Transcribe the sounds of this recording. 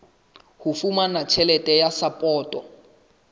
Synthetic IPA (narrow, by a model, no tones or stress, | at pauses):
hufumanat͡ʃʰɛlɛtʼɛjasapʼɔːtʼɔ